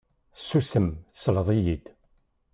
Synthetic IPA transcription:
susəmsələðˤijid̪̥

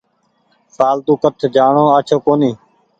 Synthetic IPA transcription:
saːlt̪uːkət̪ʰd͡ʒaːɳõːaːt͡ʃʰoːkoːnĩː

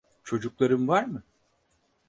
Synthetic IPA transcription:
t͡ʃʰo̞d͡ʒuklˠaɾɯmvaɾmɯ

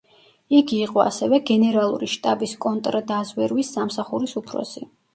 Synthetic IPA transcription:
iɡiːqʼɔa̰sɛvɛɡɛnɛɾalˠṵɾiʃt̪ʼabiskʼɔnt̪ʼɾd̪azwɛɾwisːamsaχuɾisupʰɾɔ̰si

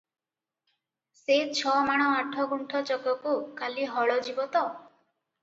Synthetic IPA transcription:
set͡ʃʰɔmaɽ̃ɔaʈʰɔɡuɳʈʰɔt͡ʃɔkɔkukaliɦɔɭɔd͡ʒibɔt̪ɔ

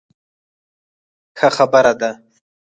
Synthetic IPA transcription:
xaxabəɾad̪a

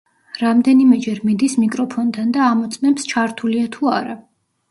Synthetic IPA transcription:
ɾamd̪ɛnimɛd͡ʒɛɾmid̪ismikʼɾɔpʰɔnt̪ʰand̪aːmɔt̪sʼmɛpst͡ʃʰaɾt̪ʰuliat̪ʰuaɾa

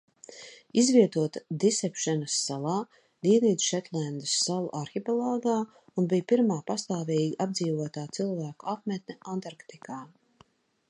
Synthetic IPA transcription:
izviɛt̪uɔt̪ad̪isɛpʃɛnɐsːalˠaː | d̪iɛniːt̪ʃɛt̪lænd̪əsːalˠṵʔaɾxipɛlˠɔːɡaː | unbijpiɾmaːpast̪aːviːɡiʔabd̪ziːvuɔt̪aːt̪silˠvæːkuap̚mɛt̪nʲɛʔant̪aɾkt̪ikaː

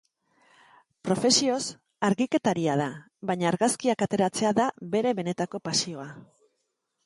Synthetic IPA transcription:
pɾo̞fe̞sio̞s | aɾɣike̞t̪aɾiaða | βaɲaːɾɣaskiakat̪e̞ɾat͡se̞aðabe̞ɾe̞βe̞ne̞t̪ako̞pasio̞a

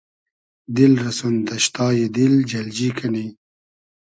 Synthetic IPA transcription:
d̪ɪlɾɐsunt̪ɐʃt̪ɑːjid̪ɪld͡ʒɐld͡ʒikʰani

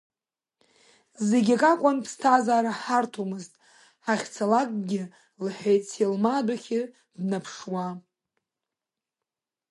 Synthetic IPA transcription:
zeɡʲakʼakʷʼanpʰstʰazaːɾaħartʰomɨztʼ | ħaχʲt͡sʰalakʼɡʲɪ | lħejt͡sʰelmadʷaχʲɪ | dnapʰʂwa

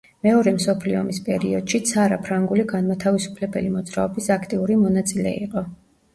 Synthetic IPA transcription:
mɛɔɾɛmsɔpʰliɔ̰mispʼɛɾḭɔd̪̥ʃit̪sʰaɾapʰɾaŋɡuliɡanmat̪ʰavisu̥pʰlɛbɛ̰limɔd̪zɾa̰ɔbisakʰt̪ʼiuɾimɔnat̪sʼilɛ̰ḭqʼɔ

